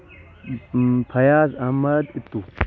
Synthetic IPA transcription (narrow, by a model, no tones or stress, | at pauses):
pʰɐjaːzɐmːɐd̪it̪ːu